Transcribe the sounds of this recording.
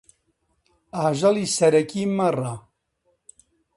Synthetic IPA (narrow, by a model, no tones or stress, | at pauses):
aːʒɐlisɐɾɐkimɐra